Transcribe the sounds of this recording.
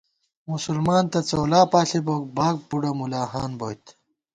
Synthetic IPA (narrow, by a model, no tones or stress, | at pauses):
musulmaːnt̪ɐt͡soːlaːpaːɬiboːk̚baːk̚buɽɐmulaːhaːnboːjt̪